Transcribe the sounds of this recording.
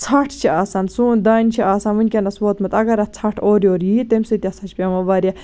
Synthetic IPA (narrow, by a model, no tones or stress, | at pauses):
t͡sʰɐʈʰt͡ʃʰiaːsɐːnsuːnd̪aːnʲt͡ʃʰiaːsaːnʋɨnʲkʲɐnɐsʋoːt̪mɐt̪ɐɡɐɾɐt͡sʰɐʈʰoːɾʲjoːɾjiːt̪ɐmʲsɨt̪ʲiɐsɐt͡ʃʰpʲeʋɐʋaːɾʲja